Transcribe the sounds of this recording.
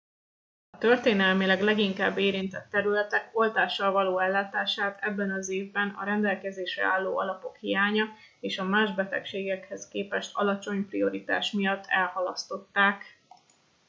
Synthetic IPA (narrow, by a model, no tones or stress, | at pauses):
ɒt̪ørt̪eːnɛlmilɛɡlɛɡiŋka̰ːbːeːɾint̪ɛt̪ːɛɾylɛt̪ɛko̞lt̪aːʃːɒlvɒloːɛlːaːt̪aːʃaːt̪ʰɛbːɛnɒzeːvbɛnɒ̰ɾɛnd̪ɛlkɛzeːʃrɛ̰aːlːoːʔɒlɒpo̞khijaːɲɒ | eːʃɒmaːʒbɛt̪ɛ̰kʃeːɡɛkhɛskeːpɛʃt̪ʰɒlɒt͡ʃo̞ɲprio̞ɾit̪a̰ːʃmijɒt̪ːɛlhɒlɒst̪o̞t̪ːaːk